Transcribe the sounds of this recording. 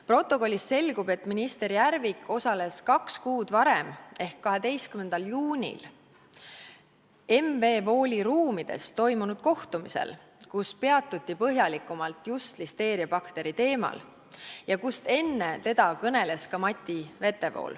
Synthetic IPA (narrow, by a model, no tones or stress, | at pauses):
pro̞t̪ːˑo̞ko̞lʲːisse̞lɡub̥e̞t̪ːminist̪e̞ɾijærvikʰːˑo̞sɑle̞skɑkskuːd̪̥vɑɾeme̞hkːɑɦe̞d̪e̞jst̪kymːend̪̥ɑljuːnʲḭl | e̞mve̞ːvo̞ːlʲiɾuːmid̪̥e̞̰st̪ːo̞jmunud̪̥̚ko̞ht̪umisḛl | kuspe̞ɑt̪ːˑut̪ʲːipɤɦjɑlikːˑumɑlt̪ˑjust̪list̪e̞ːɾjɑbɑkt̪e̞ɾit̪e̞ːmɑ̰l | jɑkust̪e̞nːe̞t̪e̞d̪̥ɑkɤne̞le̞skɑmɑt̪ʲːˑive̞t̪ːˑe̞vo̰ːl